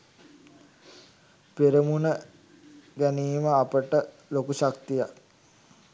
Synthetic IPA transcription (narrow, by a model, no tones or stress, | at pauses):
peɾəmunə | ɡæniːməapəʈə | lokuʃakt̪ijak